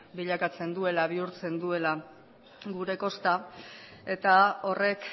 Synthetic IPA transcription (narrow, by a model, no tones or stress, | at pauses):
biʎakat͡se̞nd̪ue̞laβ̞iuɾt͡se̞nd̪ue̞la | ɡuɾe̞ko̞st̪a | e̞t̪ao̞re̞k